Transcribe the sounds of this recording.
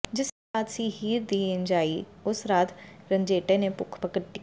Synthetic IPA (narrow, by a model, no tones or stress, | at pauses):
d͡ʒɪs | aːt̪siɦiːɾd̪iːɪ̃nd͡ʒaːiʊsɾaːt̪ɾə̃nd͡ʒeːʈẽnepʊkʰpəkəʈːi